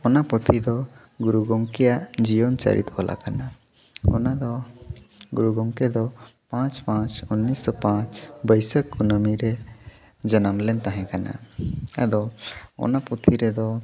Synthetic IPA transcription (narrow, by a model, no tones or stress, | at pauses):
ɔnapɔt̪ʰid̪ɔ | ɡuɾuɡɔŋkɛjaʔd͡ʒiɔnt͡ʃa̰ɾʔḭt̪ɔlʔa̰kana | ɔ̰nad̪ɔ | ɡuɾuɡɔŋkɛd̪ɔpãt͡ʃpãt͡ʃunːisɔpãt͡ʃbəjsəkːunəmiɾɛ | d͡ʒənamlɛnt̪aɦɛ̃kana̰a̰d̪ɔɔ̰napɔt̪ʰiɾɛd̪ɔ